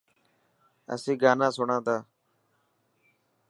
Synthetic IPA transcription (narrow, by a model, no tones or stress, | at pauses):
ə̰sĩːɡaːnãːsʊɳãːt̪aː